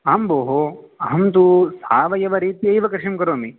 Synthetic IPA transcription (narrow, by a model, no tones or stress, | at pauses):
aːmboːɦo | ɐɦɐmt̪usaːʋɐjɐʋɐɾiːt̪iɐjʋɐkɾɪʂɐmkɐɾoːmi